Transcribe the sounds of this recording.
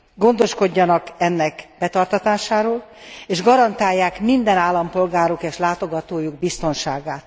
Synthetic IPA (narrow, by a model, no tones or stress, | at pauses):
ɡo̞nd̪o̞ʃko̞ɟːɒnɒkɛnːɛkb̥ɛt̪ɒrt̪ɒt̪aːʃaːɾoːleːʒɡɒɾɒnt̪aːjːaːkmind̪ɛnaːlːɒmpo̞lɡaːɾukeːʃlaːt̪o̞ɡɒt̪oːjuɡ̚bist̪o̞nʃaːɡaːt̪